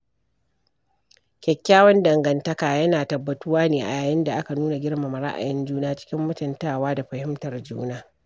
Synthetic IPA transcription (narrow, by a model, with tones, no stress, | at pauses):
kʲɛ˨kʲːaː˦wɐ˦ndɐ˨ŋɡɐ˨ntɐ˦kaː˨jɐ˦naː˨tɐ˨bːɐ˨tʊ˦waː˦neː˨ʔa̰˨jaː˨jɪ˦nda˨ʔa˦ka˨nuː˦na˨ɡʲɪ˦ɽma˨ma˨ɽa̰˦ʔa̰˨jɛ˦nd͡ʒuː˦naː˦t͡ʃɪ̥˦kʲɪ˦mːʊ˦tɪ˨ntaː˦˨waː˦da˨ɸɐ˨hɪ˦mtɐ˨rd͡ʒṵː˦naː˦